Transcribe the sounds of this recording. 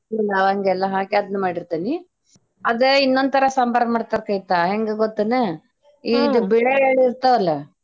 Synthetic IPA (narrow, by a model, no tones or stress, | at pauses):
ɛlːɐɐŋɡɛlːɐɦaːkeɐd̪numaːɽiɾt̪ini | ɐd̪einːond̪t̪ʰɐɾɐsɐmbɐɾɐmaːɽt̪ɐɾkɐjt̪aɦeŋɡeɡot̪ːɐne | iːd̪ubɛɭeeːɭiɾt̪ɐʋɐlːɐ